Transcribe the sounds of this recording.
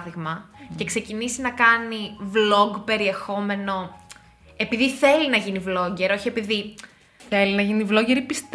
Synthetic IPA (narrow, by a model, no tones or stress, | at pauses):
ðiɣmɐce̞kse̞cinisinɐkɐnivlo̞ɡpe̞ɾie̞xo̞me̞no̞ | e̞piðiθe̞linɐʝinivlo̞ɲɟe̞ɾo̞çie̞piði | θe̞linɐʝinivlo̞ɟe̞ɾipist̪